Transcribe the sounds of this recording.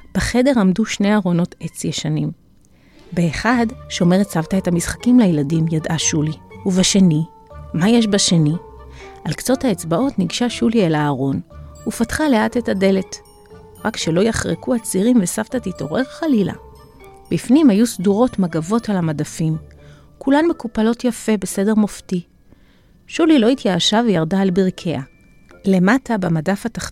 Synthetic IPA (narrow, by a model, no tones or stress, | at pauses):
b̥eχe̞de̞ʁamduʃne̞jaʁo̞no̞te̞t͡sjeʃanim | beːχadʃo̞me̞ʁetsavtaethamisχḁkimlajeladimjadaʃuliuvaʃe̞ni | majeʃbaʃe̞niʔalkt͡so̞thaet͡sbao̞tniɡʃaʃulielaːʁo̞nufatχale̞ate̞thade̞le̞t | ʁakʃelo̞jaχʁekuat͡siʁimvesaftatito̞̰ʁe̞ʁχalila̰ | b̥ifnimhajusduʁo̞tmaɡavo̞talamadafim | kulanme̞kupalo̞tjafe̞be̞se̞de̞ʁmofti | ʃulilo̞itjaːʃavejaʁdaːlbiʁkʰe̞a | le̞matabemadafataχ